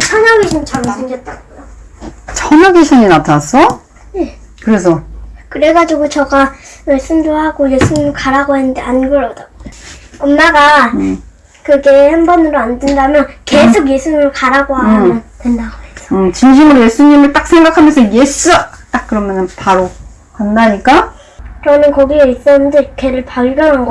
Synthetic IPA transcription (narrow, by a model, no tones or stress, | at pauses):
t͡ɕʰʌnaɡeɕʰinit͡ɕʰʌsʰɯnd͡ʑʌt̚t͈anɡojot͡ɕʰʌnaɡeɕʰiɲinatʰas͈ʌ | je̞ | kɯɾe̞s̬ʰʌkɯɾe̞ɡad͡ʑuɡot͡ɕʌɡamaɭs͈ɯmdohaɡoje̞s͈ʰuɲimɯɭkaɾaɡoɦenːɯndeanɡɯɾʌdaɡojoʌmːaɡa | kɯɡe̞hanbʌnɯɾoandendamjʌnke̞sʰok̬je̞sʰuɲimɯɭkaɾaɡoɦaanantwendaɡoesʰʌ̥ɯt͡ɕinɕ̬ʰimɯɾoje̞sʰuɲimɯɭt͈ak̚sʰeŋɡakʰamjʌnsʰʌjesuat͈ak̚k͈ːɯɾʌmjʌnɯnpaɾo | kandaɲik͈a | t͡ɕʌnɯnkʌɡieis͈ʌnɯndekʰeɾɯɭpaɭɡjʌnɦanɡʌ